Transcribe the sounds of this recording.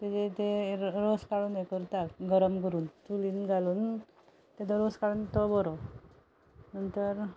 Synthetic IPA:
t̪ed͡ʑet̪eɾoskaɭuːnekəɾt̪akɡəɾəmkəɾuːnt̪uliːnɡaluːn | t̪ed̪ɔɾoskaɭuːnt̪ɔbɔɾo | nənt̪əɾ

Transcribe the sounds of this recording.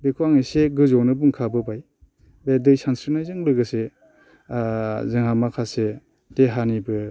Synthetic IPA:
bekʰuwaŋiseɡɯzɔnɯbuŋkʰabɯbaj | bedɯjsansɾinajzɯŋlɯɡɯse | zɯŋhamakʰase | deɦanibɯ

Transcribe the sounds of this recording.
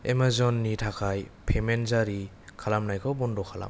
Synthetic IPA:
emazɔnːitʰakʰajpʰemenzaɾi | kʰalamnajkʰɔbɔndɔkʰala̰m

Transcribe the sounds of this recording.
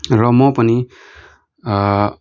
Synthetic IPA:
ɾɔmɔpʌni

